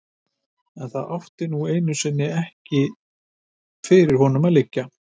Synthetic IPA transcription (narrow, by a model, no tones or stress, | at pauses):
ɛnθaðʔawht̪ɪnueːjnʏsɪnːɪɛhcɪ | fɪɾɪɾ̥hɔnʏmaðlɪcːa